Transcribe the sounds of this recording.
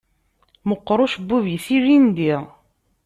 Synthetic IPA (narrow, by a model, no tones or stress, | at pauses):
məqːɾˤʊʃbːuvisiʒind̪iʁ